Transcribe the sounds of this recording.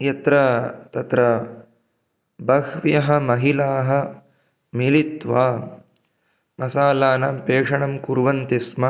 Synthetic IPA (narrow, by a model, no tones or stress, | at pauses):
jɐt̪ɾɐt̪ɐt̪ɾɐ | bɐkʋjɐɦɐ̆mɐɦilaːɦɐ | milit̪ʋaː | mɐsaːlaːnɐpeːʂɐɳɐmkuɾʋɐnt̪ismɐ